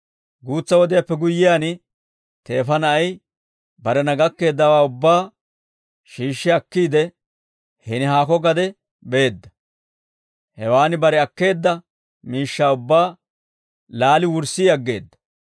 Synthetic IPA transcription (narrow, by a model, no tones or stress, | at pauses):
ɡuːt͡sːɐwɔd̪ɪjapːɛɡʊjːɪjaːnɪ | t̪e̞ːfɐnɐɐj | bɐɾɛnɐɡɐkːe̞ːd̪ːɐwaːʊbːaː | ʃiːʃːɪɐkːiːd̪ɛ | hɪnɪɦaːkɔɡɐd̪ɛ | beːd̪ːɐ̥ | hɛwaːnɪbɐɾɛɐkːe̞ːd̪ːɐ | miːʃːaːʊbːaː | laːlɪwʊɾsiɐɡːe̞ːd̪ːɐ̥